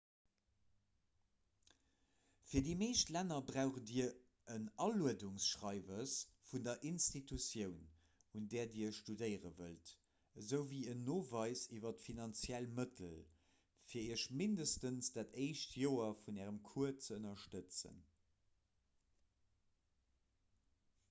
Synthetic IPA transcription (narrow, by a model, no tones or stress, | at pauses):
fiːɐdimeɪʃtlænɐbʁaʊχədiɐ | ənɑluəduŋsʃʁɑɪvəs | fundɐʔinstitʰusjəʊn | undɛːɐdiːɐəʃʃtudəɪʁəvəlt | əzəʊviːənːoːvɑɪsivɐtfinɑnt͡sjælmətʰəl | fiːɐiəʃmindəstənsd̥aːtʰəɪʃtʰjoːɐfunæːʁəmkʰuɐt͡səənɐʃtət͡sə̰n